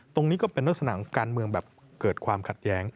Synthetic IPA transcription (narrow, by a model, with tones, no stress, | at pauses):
t̪o˧ŋniː˦˥kɔː˥˩pe˧nːo˦˥˩t̚sa˧na̰ː˩˦kaː˧nmɯ˧əŋbɛː˨˩p̚ | kɤː˨˩t̪̚kʰwaː˧mkʰa˨˩t̪̚jɛː˦˥ŋ